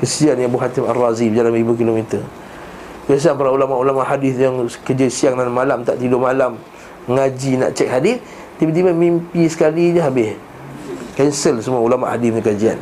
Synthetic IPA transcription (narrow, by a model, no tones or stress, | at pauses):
kəsianjaŋbuɦat̪imarːazibdalamribuk̬ilomit̪ə | das̬iaŋpaɾaulamaʔulamaʔhadɪθjaŋkəd͡ʒəsiaŋnanmalamt̪a̰ʔt̪idomalam | ŋad͡ʒina̰ʔt͡ʃɛk̚hadiθ | t̪ibət̪̬ibəmimpisə̥kaliɲəɦabɪh | kɛnsəlsəmuaulamaʔhadiθɲəkad͡ʒia̰n